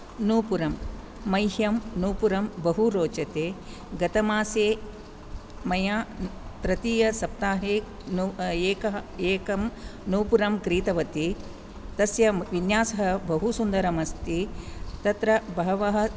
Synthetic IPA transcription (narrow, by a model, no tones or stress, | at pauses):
nuːpuɾɐmː | ɐjɦjɐmnuːpuɾɐmbɐɦuɾoːt͡ʃɐt̪eː | ɡɐt̪ɐmaːseː | mɐjaːt̪ɾɐt̪iːjɐsɐp̚t̪aːɦeː | neːkɐɦɐeːkɐmnuːpuɾɐmkɾiːt̪ɐʋɐt̪i | t̪ɐsjɐʋinjaːsɐɦɐbɐɦusund̪ɐɾɐmɐst̪it̪ɐt̪ɾɐbɐɦɐʋɐɦɐ̆